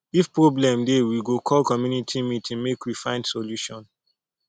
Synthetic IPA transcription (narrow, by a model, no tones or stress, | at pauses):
ifpɹoblɛ̃mdewiɡokʰɔlkɔmjunitʰimitʰĩŋmekwifãɪ̃ndsoluʃɔ̃n